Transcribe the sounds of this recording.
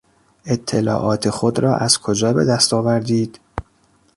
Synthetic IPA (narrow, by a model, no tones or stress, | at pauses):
ʔe̞t̪ʰːelɒ̰ːʔɒːt̪ʰexod̪ɾɒːʔæz̥kʰod͡ʒɒːbe̞d̪æst̪ɒːvæɾd̪iːd̪̥